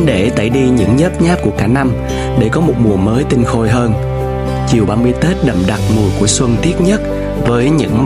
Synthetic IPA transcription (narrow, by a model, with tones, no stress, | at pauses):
ɗe˧˩t̪a̰˧˩jɗi˧ɲɨ̰˧˥ŋɲə˦˥p̚ɲaː˦˥p̚ku˧˩əkaː˧˩na˧m | ɗe˧˩kɔ˨˦mo˨˩t̚mu˨˩əməː˨˦jt̪ï˧ŋ̟xo˧jɦəː˧n | t͡ɕi˨˩əwɓaː˧mɨ˧əjt̪e˦˥t̚ɗə˨˩mɗa˨˩t̚mu˨˩ku˧˩əswə˧ŋt̪i˦˥ət̚ɲə˦˥t̚ | vəː˨˦jɲɨ̰˧˥ŋ